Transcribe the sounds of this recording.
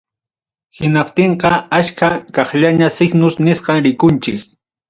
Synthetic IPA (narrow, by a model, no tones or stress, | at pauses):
hɪnɑχt̪eɴqɑaʃkakɑχʎaɲasɪxnʊsnɪsqɑŋɾɪkʊnt͡ʃɪk